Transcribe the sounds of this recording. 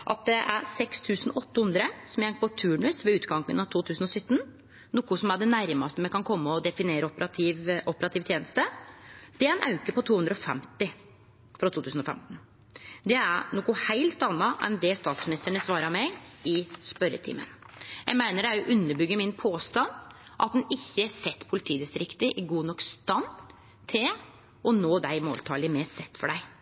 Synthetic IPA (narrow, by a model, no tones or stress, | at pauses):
ʔɑ̰t̪̚d̪ɛʔæɾsɛkst̪ʰʉːsənɔt̪ːəhʉnd̪ɾəsɔmjæɪnpʰɔt̪ʰʉːɳʉsʋɛʉːt̪ɡɑŋkə̰nɑʋt̪ʰuːt̪ʰʉːsn̩ɔsʏt̪ːn | nuːkːʊsɔmæɖɛnæɾmɑst̪əmɛkʰɑnkʰɔmːəɔd̪ɛfɪneːɾəɔpɾɑt̪ɪʋʔɔpəɾɑt̪ʰiːʋt̪ʰjeːnəst̪əd̪̥ɛænʔɑʉkəɾpɔt̪ʰuːʉnd̪ɾəɔfɛ̰mt̪ɪ | fɾɑt̪ʰuːt̪ʰʉːsn̩ɔfɛ̰mt̪n̩ | d̪ɛæɾnɔːkʊhæɪlt̪ɑnːɑʔɛ̰nd̪ɛst̪ɑːt̪smɪnɪst̪əɳəsʋɑːɾəmɛɡɪspœɾə̰t̪ʰɪ̰mːə̰n | jæ̰ɡmæɪnəɖææʔʉnːəbʏɡːəmɪnpʰoːst̪ɑnʔɑ̰t̪̚d̪ɛnɪçːəsɛt̪ːpʰʊlɪt̪ʰiːd̪ɪst̪ɾɪkt̪ɪʔɪɡuːnɔkst̪ɑn | t̪ʰɪl | ɔnoːd̪æɪmo̰ːlt̪ʰɑ̰ːlɪmɛsɛt̪ːfɔɖæɪ